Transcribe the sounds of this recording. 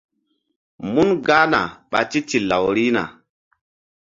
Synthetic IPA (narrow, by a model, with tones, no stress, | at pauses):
mu˦nɡa˦na̰˨ɓa̰˨ti˦ti˨la˨wɾi˦na̰˨